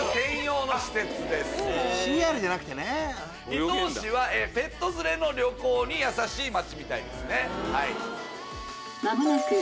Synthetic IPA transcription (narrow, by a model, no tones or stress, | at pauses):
t̪ẽ̞ɰ̃jo̞ːnoɕi̥t̪e̞t͡sɨd̪e̞sɨ̥ɕiaːɾɯ̟danakɯ̟t̪e̞ne | it̪oːɕiβaʔeːpe̞t̪ːo̞zɨɾe̞no̞ɾʲo̞ko̞ːɲ̟ijasaɕiːmat͡ɕimʲit̪aḭd̪esɨne̞hai | na